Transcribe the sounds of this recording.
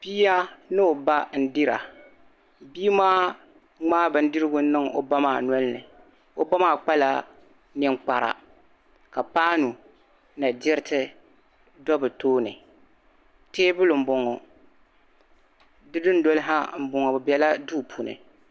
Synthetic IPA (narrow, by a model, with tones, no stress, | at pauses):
pi˦a˦nɨ˦o˨ba˦n̩˦dɪ˦ɾa̰˨ | biː˦maː˦ | ŋ͡maː˦bɨ˨n̩˦dɨ˦ɾɨ˦ɡʊ˦n̩˦nɨ˦ŋo̰˨ba˦maː˨nɔ˦lnɨ̰˨ | o˦ba˦maː˦˨k͡pa˦la˨ | nɪ˨ŋk͡pa˨ɾa̰˨ | ka˨paː˦nu˨ | na˨dɪ˦ɾɪ˦tʰɨ˦ | dɔ˦bɨ˨toː˦nɨ̰˨ | teː˦bʊ˦lʊ˨m̩˨bʊ˨ŋɔ˨ | dɨ˦dɨ˦n̩˦dɔ˦lɪ˦ɦa˦m̩˨bʊ˨ŋɔ˨bɨ˨bɛ˨˦la˦duː˦˨pʰu˨nɨ̰˨